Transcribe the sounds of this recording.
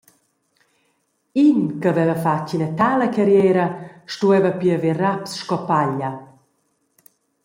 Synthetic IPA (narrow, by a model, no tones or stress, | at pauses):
inkəvɛvəfacinət̪aːləkaɾjɛːɾɐʃtuɛvəpiəverapsʃkɔpaʎa